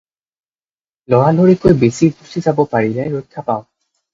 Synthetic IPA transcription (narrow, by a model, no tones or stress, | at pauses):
lɔɹaloɹikojbesiɹɡusizabɔpaɹilɛɹojkʰːapaʊ̃